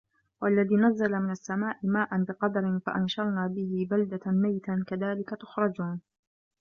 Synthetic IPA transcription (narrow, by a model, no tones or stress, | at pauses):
walːaðiːnazːalamɪnasːamaːʔɪmaːʔanbɪqɑd̪ɑɾɪnfa̰ʔanʃɑɾˤnaːbɪhɪbald̪amajt̪ankaðaːlɪkat̪ʊ̥xɾˤɑd͡ʒuːn